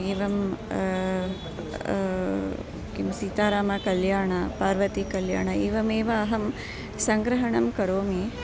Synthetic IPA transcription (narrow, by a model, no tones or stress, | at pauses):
iːʋɐm | kimsiːt̪aːɾaːmɐkɐljaːɳɐpaːɾʋɐt̪ikɐlja̰ːɳɐeːʋɐmeːʋɐːɦɐm | sɐŋɡɾɐɦɐɳɐmkɐɾoːmi